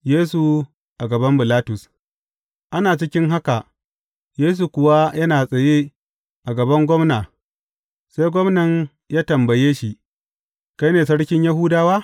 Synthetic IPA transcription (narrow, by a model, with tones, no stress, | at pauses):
jeː˦su˨ | ʔa˨ɡɐ˨bɐ˦mbɪ˨laː˦tʊ˨s | ʔa˦naː˨t͡ʃɪ˦kʲɪ˦ŋɦa˦ka˨ | jeː˦s̬u˨kʷʊ˨wa˦jɐ˦naː˨sʼɐ˨je˦ | ʔa˨ɡɐ˨bɐ˦ŋɡʷɔ˦mnaː˨ | sa˦jɡʷɔ˦mnɐ˨ɲ | jaː˦tɐ˨mbɐ˨jeː˦ʃi˦˨ʔ | ka˦jneː˨sɐ˦ɽkʲɪ˦ɲja˦ɦuː˦daː˨waː˦